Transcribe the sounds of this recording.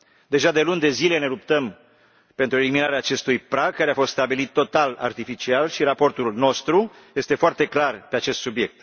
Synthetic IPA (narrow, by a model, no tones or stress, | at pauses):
d̪e̞ʒad̪e̞lund̪e̞zile̞ne̞lupt̪əm | pe̞nt̪ɾue̞liminaɾeaːt͡ʃe̞st̪ujpɾaɡ̚kːaɾeafo̞st̪st̪abilit̪ːo̞t̪ala̰rt̪ifit͡ʃialʃiɾapo̞rt̪ulno̞st̪ɾu | je̞st̪e̞foart̪e̞klarpe̞at͡ʃe̞st̪subije̞k̚t̪